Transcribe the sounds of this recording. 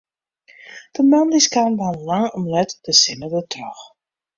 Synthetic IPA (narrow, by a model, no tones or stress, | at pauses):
d̥əmandiskanʋanlaŋɔmlɛtd̥əsɪnədətrɔx